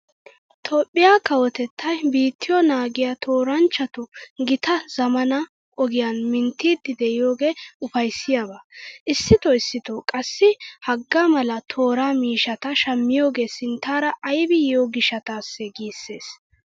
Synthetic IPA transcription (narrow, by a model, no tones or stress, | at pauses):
t̪ʰoːpʼːɪjaːkɐwɔt̪ɛt̪ʰːɐjbiːt̪ʰːɪjɔnaːɡɪjat̪ʰoːɾɐnt͡ʃːɐt̪ʊɡɪt̪ɐz̥ɐmɐnɐ | ʔɔɡɪjanmɪnt̪ːiːd̪ːɪd̪ɛʔɪjo̞ːɡe̞ːʊfɐjsːɪjabaʔɪsːɪt̪ɔɪsːɪt̪okʼɐsːɪhɐɡːamɐlɐt̪ʰo̞ːɾaːmiːʃɐt̪ɐʃɐmːɪjo̞ːɡe̞ːsɪnt̪ːaːɾɐʔɐjbɪjoːɡɪʃɐt̪aːsːɛɡiːsːe̞ːs